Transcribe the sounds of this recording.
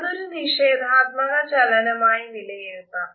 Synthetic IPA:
noɾuniʃeːd̪ʱaːt̪̚mɐɭɐt͡ʃɐlɐnɐmaːjiʋilɐjit̪aː

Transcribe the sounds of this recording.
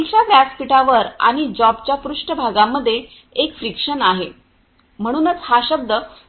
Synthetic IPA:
lt͡ɕabæspiʈaʋəɾa̰ɽ̃id͡ʑɔbt͡ɕjapɾuʂʈəbʱaɡamːəd̪ʱːje | ekfɾikʂənaɦe | m̤əɽ̃uːnət͡shaɕəb̚d̪ə

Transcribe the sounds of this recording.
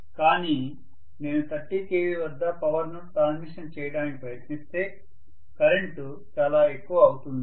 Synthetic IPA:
kaːniː | ne̞ːnut̪ɐʈːik̪eːʋiʋɐd̪ːɐpɐʋɐɾnuʈɾaːnsmiʂɐnt͡ʃɛːjɐɽaːnikipɾɐjɐt̪nist̪e̞ː | kɐɾeɳʈu | t͡ʃaːlaːe̞kːuʋɐːwut̪und̪i

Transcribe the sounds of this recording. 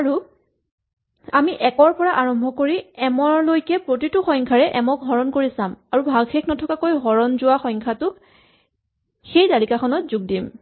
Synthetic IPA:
aɹu | amiʔɛkɔɹpɔɹaʔaɹɔmbʱɔkoɹiɛmɔɹlojkɛpɹot̬itʊxɔŋkʰaɹɛʔɛmɔkɦɔɹɔnkoɹisamaɹubʱaɡxeknɔtʰɔkakojɦɔɹɔnzʊwaxɔŋkʰatʊ | xejtalikaxʰɔnɔtzuɡ̚dim

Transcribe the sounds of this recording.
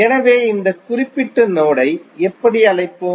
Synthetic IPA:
ɛnɐʋeːɪnd̪ɐkʊrɪpːɪʈːɯnoːɽɐɪɛpːɐɽiɐɭɐɪpːoː

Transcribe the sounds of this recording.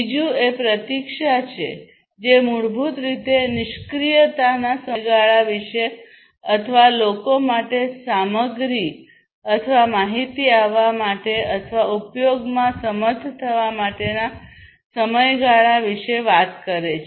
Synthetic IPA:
id͡ʒũepɾət̪ikʃat͡ʃʰḛ | d͡ʒemuɽbʱut̪ɾit̪enɪʃkɾijət̪anasəɡaɭaʋiʃe | ət̪ʰəʋalokomaʈesaməɡɾi | ət̪ʰəʋamaɦit̪iaʋːamaʈeət̪ʰəʋaupjoɡmãsəməd̪ʱt̪ʰəʋamaʈena | səməjɡaɭaʋiʃeʋat̪kəɾet͡ʃʰ

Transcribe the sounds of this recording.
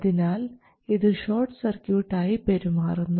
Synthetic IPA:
ðinaːl | iðɨɕo̞ːrʈsɐrkjuːʈːaːjipeɾumaːrunːu

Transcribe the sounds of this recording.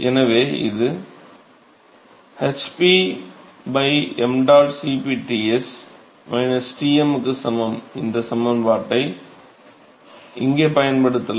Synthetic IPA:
ɛnɐʋeːɪ̰ðɯ | hɛt͡ʃpi | bɐɪɛmɖaːʈsipiʈiɛs | ʋɐɪnɛsʈiːɛmɯkːɯsɐmɐmɪnd̪ɐsɐmɐnpaːʈːɐɪ | ɪŋɡeːpɐjɐnpɐɽɯt̪ːɐl

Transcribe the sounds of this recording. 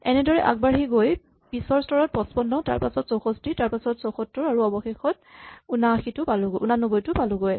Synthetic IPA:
ɛnɛdɔɹɛʔa̰k̚baɹɦiɡoj | pisɔɹstɔɹɔt̚pɔspɔnːɔta̰ɹpasɔtsɔxɔstitaɹpasɔtsɔxɔtːɔɹaɹuɔbɔxexɔt | unaxitʊpalʊɡojʔunanɔbɔjtʊpalʊɡoj

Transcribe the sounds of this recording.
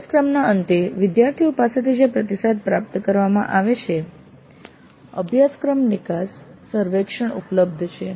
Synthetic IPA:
skɾəmnaənt̪eʋɪd̪jaɾt̪ʰiupaset̪ʰid͡ʒepɾət̪isad̪̚pɾap̚t̪kəɾʋamã̰ʔaʋet͡ʃʰe | ə̰bʱjaskɾəmnikasː | əɾʋekʂəɳṵpləb̚d̪ʱt͡ʃʰe

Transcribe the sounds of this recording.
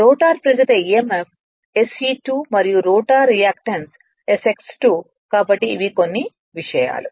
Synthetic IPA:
ɾoːʈaːɾpɾɐɾɐt̪ɐiemepʰ | esiʈuːmɐɾijuɾoːʈaːɾːijaːkʈɐns | eseksʈuː | kaːbɐʈːiːʋikonːi | ʋiʂɐja̰ːlu

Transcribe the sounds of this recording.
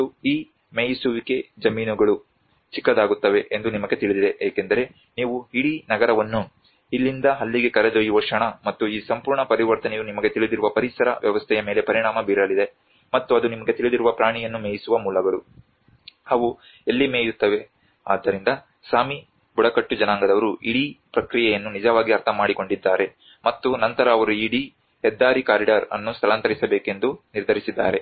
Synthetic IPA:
uiː | meːjisuʋike̞d͡ʒɐmiːnuɡɐɭu | t͡ʃikːɐd̪aːɡut̪ːɐʋe̞ʔend̪unimɐɡe̞t̪iɭid̪id̪eeːke̞nd̪ɐɾe̞ | niːʋuɦiɽinɐɡɐɾɐʋɐnːu | ilːind̪ɐɦɐlːiɡe̞kɐɾed͡ʒojiʋɐʂɐɳɐmɐt̪ːuiːsɐmpuːɾɳɐpɐɾiʋɐɾt̪ɐnejunimɐɡe̞t̪iɭid̪iɾuʋɐpɐɾisɐɾɐ̰ʋjɐʋɐst̪ʰɛjɐme̞ːle̞pɐɾiɳaːmɐbiɾɐlid̪e̞ | mɐt̪ːuɐd̪unimɐɡe̞t̪iɭid̪iɾuʋɐpɾaːɳijɐnːumeːjisuʋɐmuːlɐɡɐɭu | ɐʋu | elːimeːjut̪ːɐʋe̞ | aːd̪ːɐɾind̪ɐ | saːmi | buɽɐkɐʈːud͡ʒɐnaːŋɡɐd̪ɐʋɐɾuʔiɽipɾɐkɾijɛjɐnːunid͡ʒɐʋaːɡiɐɾt̪ʰɐmaːɽiko̞ɳɖid̪ːaːɾe̞ | mɐt̪ːunɐnt̪ɐɾɐːʋɐɾuiɽi | ɦɛd̪ːaːɾikaːɾiɖaɾɐ̰nːust̪ʰɐlant̪ɐɾisɐbeːke̞nd̪uniɾd̪ʱɐɾisid̪ːa̰ːɾe̞

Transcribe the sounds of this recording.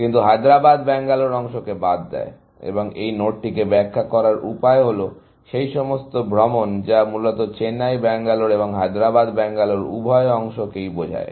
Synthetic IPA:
kint̪uɦad̪ɾabad̪bɛŋɡaloɾɔŋʃokebad̪ːɛ̰e | ḛboŋejnoʈ̚ʈikebɛkʰːakɔɾaɾʔṵpaeɦolo | ʃejʃɔmost̪obʱɾɔmond͡ʑamulot̪ot͡ɕenajbɛŋɡaloɾeboŋɦad̪ɾabad̪bɛŋɡaloɾṵbʱɔeɔŋʃokejbod͡ʑʱa̰e

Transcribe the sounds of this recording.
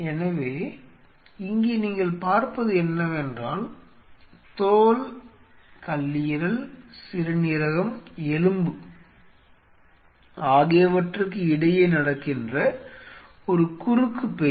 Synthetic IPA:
ɛnɐʋeː | ɪŋɡeːniːŋɡɐɭpaːɾpɐðɯɛnːɐʋɛndraːl | t̪oːl | kɐlːɪjɾɐlsɪɾɐnɪɾɐɣɐmɛlɯmbɯ | aːɣeːʋɐʈrɯk̬ːɯɪɽɐjeːnɐɽɐkːɪndrɐ | ɔɾɯkʊrɯkːɯpːe

